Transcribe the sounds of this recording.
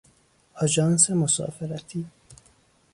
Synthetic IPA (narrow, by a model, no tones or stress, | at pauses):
ɔd͡ʒɑːnsemosɑ̰ːfeɾæt̪ʰiː